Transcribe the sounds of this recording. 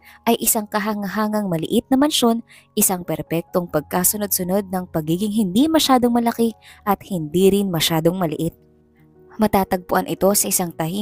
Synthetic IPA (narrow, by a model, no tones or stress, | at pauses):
ʔɐjʔɪsɐŋkɐɦɐŋɐɦaːŋɐŋmɐlɪ̰ʔɪt̪̚nɐmɐnʃo̞n | ʔɪsaŋpɛɾpɛk̚t̪o̞ŋpɐɡ̚kaːsono̞d̪̚sʊno̞d̪̚nɐŋpɐɡiːɡɪŋɦɪnd̪imɐʃaːd̪o̞ŋmɐlɐkɪʔɐt̪̚hɪnd̪iːɾɪnmɐʃaːd̪o̞ŋmɐlɪʔɪt̪̚ | mɐt̪aːt̪ɐɡ̚pʊʔanʔɪt̪o̞sɐʔɪsɐŋt̪ɐhi